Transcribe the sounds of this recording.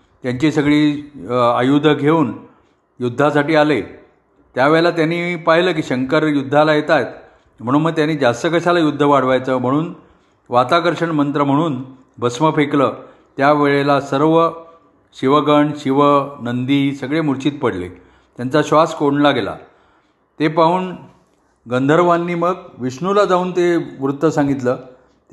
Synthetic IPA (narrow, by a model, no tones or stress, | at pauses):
t̪jaɲt͡ɕisəɡɭiː | ajud̪ʱəɡʱeuːn | jud̪ʱːasaʈiːale | t̪jaʋeɭlat̪janiːpaɦiləːk̬iːɕəŋkəɾjud̪ʱːalajet̪ajt̪ | m̤əɽ̃uːnməɡ̚t̪janiːd͡zast̪əkəɕalajud̪ʱːəʋaɽ̤ʋajt͡səːm̤əɽ̃uːn | ʋat̪akəɾɕəɳmənt̪ɾəm̤əɽ̃uːn | bʱəsməfekləː | t̪jaʋeɭelasəɾʋə | ɕiʋəɡəɳɕiʋənənd̪iːsəɡɭemuɾt͡ɕiːt̪̚pəɽlḛ | t̪jant͡saɕʋaskoɳlaɡela̰ | t̪epauːn | ɡənd̪ʱəɾʋanːiːməɡʋiɕɳulad͡zauːnt̪eʋɾut̪ːəsãŋɡit̪ləː